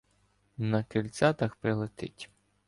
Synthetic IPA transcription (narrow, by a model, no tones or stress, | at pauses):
nɐkɪlʲt͡s̪ʲat̪ɐxpɾɪlˠɪt̪ɪtʲ